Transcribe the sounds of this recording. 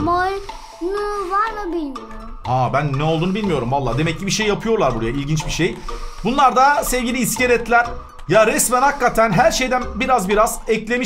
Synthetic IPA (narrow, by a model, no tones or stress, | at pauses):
mol | nɯvaɾmɯbilʲmijoɾu | abænːɛo̞lˠd̪uːnubilʲmijo̞ɾumvalˠːaːd̪e̞mɛcːibiʃejːapʰɯjo̞ɾlˠaɾbuɾajailʲɟint͡ʃbiʃejbunlˠaɾd̪asɛvɟilʲiːsceɾɛt̪lʲæɾ | jaɾɛsmænhakːat̪ʰænɦæɾʃe̞jd̪ænbiɾazbiɾazɛclʲe̞mi